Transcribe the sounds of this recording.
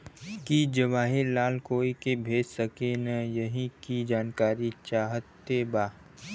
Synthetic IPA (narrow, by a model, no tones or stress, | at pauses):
kid͡ʒɐʋaːɦɪɾlaːlkoːikebʱeːd͡ʒsəkenɐjɐɦĩkid͡ʒaːnkaːɾit͡ʃaːɦət̪ːebaː